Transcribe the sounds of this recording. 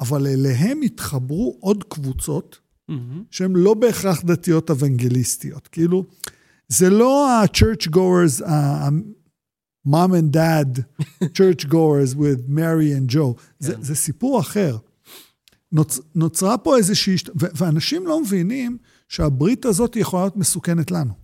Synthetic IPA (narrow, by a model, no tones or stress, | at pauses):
avaleleɦe̞mit̪χɐbʁuʔo̞dkvut͡so̞t | ʃehemlo̞be̞ːχʁaχd̪atijo̞tevaŋɡelist̪ijo̞t̪keilu | zelo̞at͡ʃeʁt͡ʃɡoeza | mamẽndædt͡ʃeʁt͡ʃɡoezwiðmeʁiɛnd͡ʒo̞w | zezesipuʁaχe̞ʁ | nonot͡sʁapo̞ezeʃiːʃtveveanaʃimlo̞mevinim | ʃeabʁit̪azo̞tjeχoajot̪mesuke̞netlanu